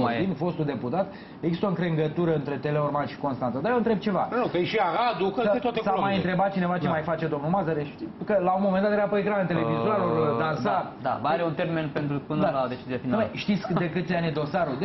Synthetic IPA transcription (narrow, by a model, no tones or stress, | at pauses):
ainfo̞st̪uld̪e̞put̪at̪ | eɡzist̪oɨŋkɾeŋɡət̪uɾəɨnt̪ɾe̞t̪e̞le̞ormaʃi̥ko̞nst̪ant̪əd̪ajeɨnt̪ɾe̞b̚t͡ʃe̞vanokəeʃiaɾad̪ukəet̪oat̪esaomaajɨnt̪ɾe̞bat̪̚t͡ʃinevat͡ʃemajfat͡ʃe̞d̪o̞mnulmazaɾeʃt̪ikəlaunmomend̪at̪jeɾapojekɾanənt̪elevizaɾord̪anssa | d̪a̰baɾeunt̪ermenpent̪ɾupɨnalad̪et͡ʃizieafinmeʃt̪it̪sʲd̪ekɨt̪sʲjanʲed̪o̞saɾud̪